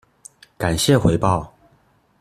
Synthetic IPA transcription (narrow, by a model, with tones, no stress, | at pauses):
ka˨˩nɕjɛ˥˨xwe˧˥ɪpɑ˥˨ʊ